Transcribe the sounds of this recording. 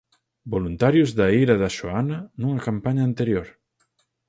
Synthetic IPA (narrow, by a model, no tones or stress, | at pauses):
bolunt̪aɾjʊzðaiɾɐðɐʃoanɐnuŋɐkampaɲaːnt̪eɾjoɾ